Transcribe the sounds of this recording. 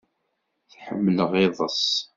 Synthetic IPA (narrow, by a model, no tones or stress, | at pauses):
θħə̰mːələʁɪðˤəsˤ